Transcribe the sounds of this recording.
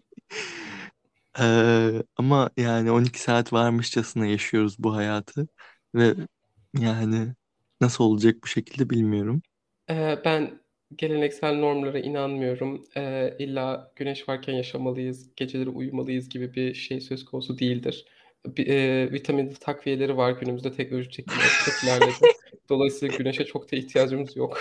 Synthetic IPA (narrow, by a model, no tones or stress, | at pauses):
ɛːamajaːnɪo̞nicʰi̥saːt̪vaɾmɯʃd͡ʒasɯnajaʃɯjo̞ɾuzbuɦajaːt̪ʰɯ | vɛ | jaːnɪ | nasɯlˠo̞lˠad͡ʒak̚buʃe̞cʰilʲd̪ɛbilʲmijo̞ɾum | ɛːbæn | ɟe̞lʲe̞nɛcsælʲno̞ɾmlˠaɾɯʔḭnanmɯjo̞ɾumɛːilʲːaːɟ̥ynɛʃvaɾcʰænjaʃamalˠɯjɯz̥ɟ̥e̞d͡ʒe̞lʲe̞ɾiʔujumalˠɯjɯzɟibibiʃejsø̞zkʰo̞nusud̪ejilʲd̪iɾ̥ | bɛːvit̪ʰaminut̪ʰakvije̞lʲe̞ɾivaɾɟynymyzd̪ɛt̪ʰɛc̚nolʲoʒit͡ʃʰecʰilʲɛ̰stʰafinæɾlʲed̪ɪmd̪̥o̞lˠajsɯːlaaɟyneʃɛt͡ʃʰo̞kt̪ʰaiçt̪ʰijaːd͡ʒɯmizjok